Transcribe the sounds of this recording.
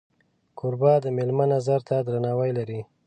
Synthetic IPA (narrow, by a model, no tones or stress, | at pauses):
kʰʊɾbɑd̪əmelmanazaɾt̪ʰad̪ɾanɑwəjlaɾi